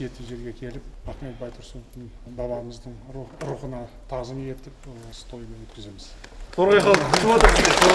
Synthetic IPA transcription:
et̪ɪʒe̞ɾɡʲe̞kʲʰe̞lɪpɑt̪met̪bɑjt̪ʰʊɾsont̪ːɪn | bɑbɑɾəməzd̪əɴɾuqənɑt̪ʰɑʁzəmje̞t̪ɪpwosə̥t̪ʰo̞jəme̞nwɵt̪kʲɪze̞mɪzqʰoɾʁɑjqɑlˠʰʃmˠɑd̪əso

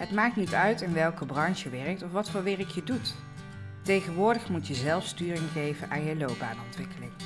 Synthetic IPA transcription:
ɦətmaːk̚tnitœɥtɪnʋɛlˠkəbrɑnʃəʋɛrək̚tɔfʋɑtfʊːɹʋɪrəkjədut | tejχənʋʊːɹdəχmutjəzɛlˠfstyːrɪŋχejvənʔaːnjəlowp̚ba̰ːnɔntʋɪkəlɪŋ

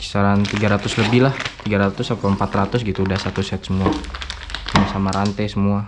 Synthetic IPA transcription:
ki̥saɾant̪iɡaɾat̪ʊsləbɪhlaht̪iɡaɾat̪ʊsakawəmpat̪rat̪ʊsɡit̪uːdahsat̪usɛt̪̚səmua | samasamaɾant̪ajsəmua

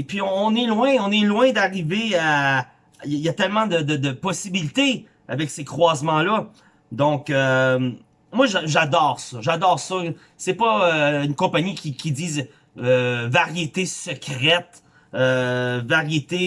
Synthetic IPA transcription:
pɥiɔ̃ːnɛlwɛ̃ɔ̃nɛlwɛ̃d̪aʁivea | jijat̪ɛlmɑ̃d̪əd̪əd̪əpɔsibilit̪e | a̰vɛksekχwaːzmɑ̃lʌ | d̪ɔ̃køm | mwaʒʒad̪ɔːʁsɔʒad̪ɔːʁsɔ | sɛpʌøynkɔ̃paɲikʲikʲiziːz | vaʁjet̪esəkʲʁɛt̪ | øvaʁjet̪e

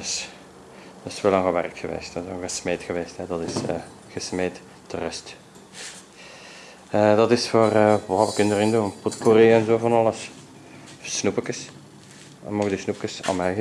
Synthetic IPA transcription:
s | dɔselɑŋɣəʋɛ̰rkxəʋḛːstsoɣəsmeːtxəʋeːstɦɛdɑtɪsə̰ | ɣəsmeːt | tərɛst | ədɑtɪsfoːrəʋɑːʋəkɪndərɪnduənpotkoɾeɛnzoːvɑnɑləs | snupəkəs | ɛnmɔɣdisnupkəsa̰mɛjɣə

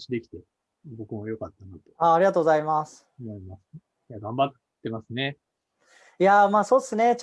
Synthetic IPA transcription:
ɕid̪e̞kʲi̥t̪e̞ | bo̞kɯ̟mojo̞kat̪ːanot̪e̞aːɾʲiɡat̪oːɡozaimasɨ̥maimasɨ | jaɡãmbat̪ | t̪ːe̞masɨne̞ | jamaːso̞ːd̪esɨne̞t͡ɕ

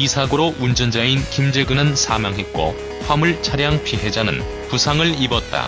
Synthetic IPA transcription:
isʰaɡɯɾoʔund͡ʑʌnd͡ʑainkimd͡ʑeɭɡɯnɯnsʰamjaŋɦe̞k͈o̰ | ɸwamuɭt͡ɕʰaɾjaŋpʰiɦe̞d͡ʑanɯ̰n | pusʰaŋɯɭibʌt̚t͈a̰

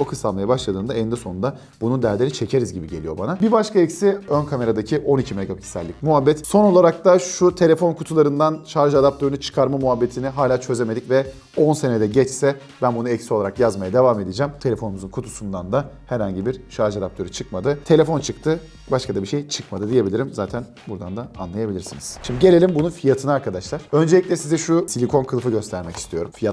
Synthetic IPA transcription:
okʰɯsamlˠajabaʃlˠad̪ɯːnd̪aend̪ɛso̞nund̪a | bunud̪æɾd̪ʲenit͡ʃʰe̞cʰe̞ɾizɟibiɟe̞lʲijo̞banabibaʃkʰaɛcsiønkʰame̞ɾad̪acʰiʔo̞nicʰimeɡabicʰsæ̰lʲːic̚muɦabːɛt̪so̞no̞lˠaɾak̚t̪aʃut̪ʰe̞lʲe̞fonkʰut̪ʰulˠaɾɯnd̪anʃaɾʒɯad̪ap̚t̪ʰøɾynyt͡ʃʰɯ̥kʰaɾmamuɦabːe̞t̪ʰiniɦaːlʲaːt͡ʃʰø̞ze̞me̞d̪icvɛ | o̞nse̞ned̪ɛɟɛt͡ʃsɛ | bænbunuɛcsio̞lˠaɾakjazmajad̪e̞vaːme̞d̪id͡ʒɛmt̪ʰe̞lʲe̞fo̞numuzunkʰut̪ʰusund̪and̪ahæɾhaɲɟibiɾʃaɾʒad̪ap̚t̪ʰøɾyt͡ʃʰɯkmad̪ɯt̪ʰe̞lʲe̞fo̞nt͡ʃʰɯkt̪ʰɯ | baʃkʰad̪abiʃe̞jt͡ʃʰɯ̥kmad̪ɯd̪ije̞bilʲiɾimzaːt̪ʰæn | buɾd̪and̪aːnlˠajabilʲiɾsiniz̥ʃimd̪iɟe̞lʲe̞lʲimbununfijat̪ʰɯnaɾkʰad̪aʃlˠaɾ̥ø̞nd͡ʒeicʲlʲɛsizɛʃusilʲikʰo̞nkʰɯlˠfɯɟø̞st̪ʰæɾmɛci̥st̪ʰijo̞ɾumfijat̪

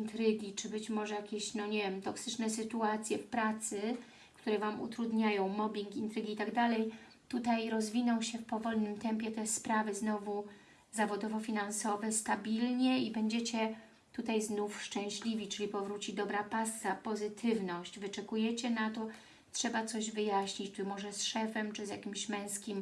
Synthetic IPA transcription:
int̪ɾɘɡʲit͡ʂɘbɘt͡ɕmɔʐɛjakʲeɕnɔɲevʲjɛmt̪ɔksɘt͡ʂnɛsɘt̪uat̪sʲjɛfpɾat̪sɘ | kt̪uɾɛvamṵt̪ɾud̪ɲajɔ̃w̃mɔbʲiŋkint̪ɾɘɡʲiit̪aɡd̪alɛj | t̪ut̪ajɾɔzvʲinɔ̃w̃ɕɛfpɔvɔlnɘmt̪ɛmpʲjɛt̪ɛspɾavɘznɔvu | zavɔd̪ɔvɔfʲinansɔvɛst̪abʲilɲɛibɛɲd͡ʑet͡ɕɛ | t̪ut̪ajznufʂt͡ʂɛ̃w̃ɕlʲivʲit͡ʂɘlʲipɔvɾut͡ɕid̪ɔbɾapasːapɔzɘt̪ʰɘvnɔɕt͡ɕvɘt͡ʂɛkujɛt͡ɕɛnat̪ɔ | tʂɛbat̪sɔʑvɘjaɕɲit͡ɕt͡ʂɘmɔʐɛsʂɛfɛmt͡ʂɘzja̰kʲimɕmɛ̃w̃skʲim

